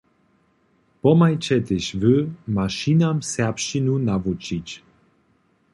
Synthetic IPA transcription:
pɔmajt͡ɕɛt̪ɪɕvɘmaʃinamsɛpʃinunavut͡ɕit͡ɕ

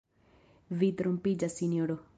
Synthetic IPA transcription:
vit̪ɾompid͡ʒasinoɾo

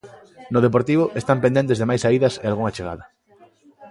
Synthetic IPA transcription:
nʊðep̬oɾt̪iβ̞ʊʔest̪ampend̪ent̪̬ezðemajsaiðɐsealɣuŋat͡ʃeɣa̰ðɐ

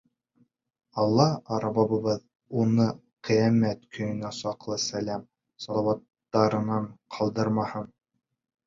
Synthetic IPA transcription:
ɑlˠːɑɑɾɑbɑβɤ̆βɤð | unɤ | qĭjæmæt̪kʰɵ̆jɵ̆næsɑqlˠɤsælæm | sɑlˠɑwɑt̪ːɑɾɤ̆nɑɴqʰɑlˠd̪ɤɾmɑhɤn

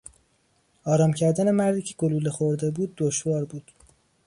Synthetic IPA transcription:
ɒːɾɒːmcʰæɾd̪æne̞mæɾd̪iːcʰe̥ɡoluːlexoɾd̪e̞buːd̪̚ːoʃvɒːɾbuːd̪̥

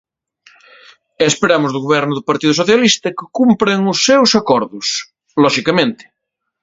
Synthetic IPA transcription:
espeɾamʊzðuɣoβ̞ɛɾnʊðʊpaɾt̪iðusoθjalist̪ɐkɪkumpɾeŋʊsːewsakoɾðʊs | lɔʃikamẽnt̪ɪ̥

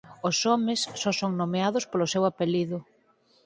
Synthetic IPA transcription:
osɔmɪsːɔsoŋnomeaðʊspolʊsewapeliðʊ

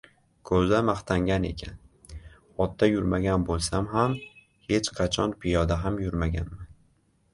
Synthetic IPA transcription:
kʰɵzamaχt̪ʰaŋɡʲane̞̰kʲʰan | ɒt̪ːajʊɾmaɡʲanbolˠsamɦam | he̞t͡ʃqʰɑt͡ʃʰɒnpʰɪjɒd̪aɦamjʊɾmaɡʲa̰nman

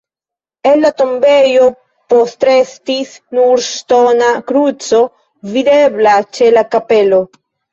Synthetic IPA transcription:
elːat̪ombejo | post̪ɾest̪isnuɾst̪onakɾut͡so | vid̪eblat͡ʃelakapelo

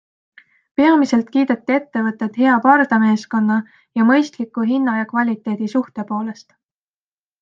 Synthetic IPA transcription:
pe̞ɑmise̞lt̪kiːd̪̥et̪ːie̞t̪ːe̞vɤt̪ːˑe̞t̪ɦe̞ɑpɑrd̪̥ɑme̞ːsko̞nːɑ | jɑmɤ̞jst̪likːˑuɦinːɑjɑkvɑlʲit̪ːˑe̞ːd̪̥isuht̪e̞po̞ːle̞st̪

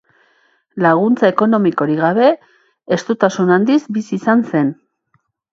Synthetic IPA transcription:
laɣ̞unt͡sae̞ko̞no̞miko̞ɾiɣaβe̞ː | st̪ut̪asunand̪izbisiːsanse̞n

